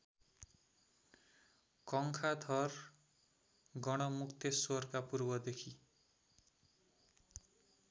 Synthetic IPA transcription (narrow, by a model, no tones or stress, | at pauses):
kʌŋkʰad̪ʱʌr | ɡʌɽ̃ʌmukt̪esʌrkapurbʌd̪ekʰi